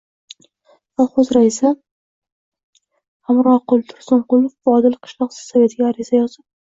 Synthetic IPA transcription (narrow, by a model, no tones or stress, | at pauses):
aχozɾaisɪ | hamɾɒqʊlˠt̪ʰʊ̥ɾsʊnqʊlˠʊfbɒd̪ɪlqʰɨ̥ʃlˠɒqsɪ̥z̥save̞t̪ʰɪɡʲaːɾɪzajɒz̥ɪp̚